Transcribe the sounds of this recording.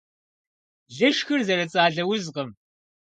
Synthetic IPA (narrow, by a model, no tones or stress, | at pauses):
ɮɨʂxɨrzɐɾɐt͡sʼaːɮɐwʊzqəm